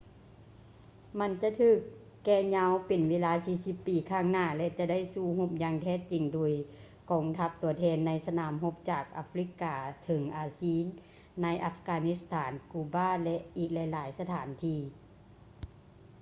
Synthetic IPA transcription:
ma˧˥nt͡ɕa˧˨t̪ʰɯː˧˩kː | ɛː˧˩ɲa˧˥wpe˨nweː˧˥˧laː˧˥siː˧˩si˧pːiː˨˩kʰaː˧˥˩ŋnaː˧˩lɛ˧t͡ɕa˧˨da˥˨jsuː˧˩ɦo˧˥p̚jaː˧ŋt̪ʰɛː˧˩t͡ɕi˨˩ŋdoː˩əj | kɔː˨˦ŋt̪ʰa˧˥p̚t̪u˨˩˦ɐt̪ʰɛː˧˥nːa˧˥jsa˧naː˨˩˦mɦo˧˥p̚t͡ɕaː˨˩k̚ʔa˧fɾi˧˥kaː˨˩t̪ʰɤ˨˦ŋʔaː˨˧siː˧˥˨nː | a˧˥jʔa˧fkaː˧ni˧˥st̪ʰaː˩˦nkuː˧baː˧˥˨lɛ˧ʔʔiː˨˩k̚lɛ˧˥jlaː˨˩˦jsa˧t̪ʰaː˨˩˦nt̪ʰiː˧˩

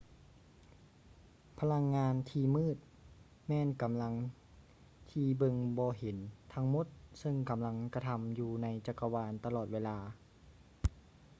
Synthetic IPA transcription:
pʰa˧la˧ŋːaː˧nt̪ʰiː˧mɯː˥˩t̪̚ | mɛː˧˥˨nka˨˦mla˧ŋ | t̪ʰiː˧bɤ˧ŋbɔː˧ɦe˩˦nt̪ʰa˧ŋmo˧˥t̪̚sɤ˧ŋka˨˦mla˧ŋka˧t̪ʰa˧mjuː˨˧˩na˧jt͡ɕa˨˧˩kːa˧waː˧nt̪a˧lɔː˨˩weː˧laː˧

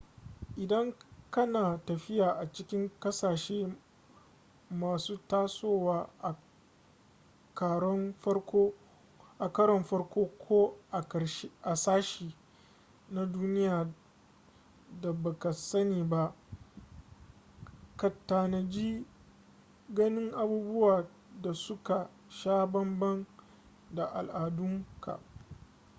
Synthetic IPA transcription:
ʔɪ˨dɐ˦ŋkɐ˦naː˨tɐ˨ɸɪ˦jaː˨ʔa˨t͡ʃɪ˦kʲɪ˦ŋkɐ˦saː˨ʃeː˦ | maː˨suː˦taː˦soː˦waː˦ʔa˨ | kaː˨ɽɔ˦nɸɐ˦koː˦ | ʔa˨kɐ˦ɽɔ˨mɸɐ˦ɽkʷoː˦kʷʰoː˦ʔa˨ʔa˨saː˦ʃiː˨ | na˨duː˦nɪ˦jaː˨ | da˨ba˨ka˨sɐ˦niː˨ba˦ʔ | kɐ˨tːaː˨na˨d͡ʒi˦ | ɡɐ˦nɪ˦ŋʔa˨buː˦bʊ˦waː˨ | da˨sʊ˦ka˨ | ʃaː˦bɐ˦mbɐ˦ŋ | da˨ʔa˨lʔaː˨dʊ˦ŋka̰˨

